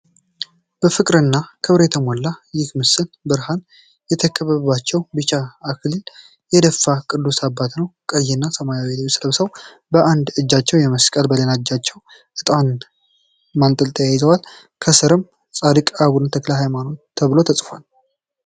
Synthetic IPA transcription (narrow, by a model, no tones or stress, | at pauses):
b̥əfɨkʼɾɨnːakʰɨβɾet̪ʰəmwɔlːajɪkmɨsɨnbɨɾhan | jɛt̪ʰəkʰəβəβat͡ʃːɛwbɨt͡ʃaːkʰll | jɛd̪əfːakʼɨd̪ːusabːat̪nəwkʼəjːɪnːasəmajaweliwsləβsəw | bəʔand̪ɨd͡ʒːat͡ʃːɛwjɛməskʼəlbələnad͡ʒːat͡ʃːɛw | ʔɨt̪ʼan | mant̪ʼɨlt̪ʰəjajzəwal | kʰəsɨɾɨm | t͡sʼad̪ɨkʼaβunt̪ʰəklaɦajmano̞t̪ʰːəβlo̞t̪ʰəsʼfʷal